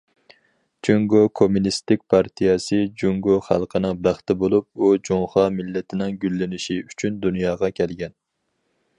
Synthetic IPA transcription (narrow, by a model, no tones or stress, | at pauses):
d͡ʒuŋɡokʰomunist̪ɪk̚ʲpʰɑɾt̪ʰijɛsɨd͡ʒuŋɡoχæ̰lˠqʰənɨŋbæχt̪ɪbolˠup̚ud͡ʒoŋχɑmɪlːɪt̪ʰɪnɪŋɡʲylːɪnɪʃiyt͡ʃʰynd̪unjɑːʁɑkʲʰɛlɡʲɛn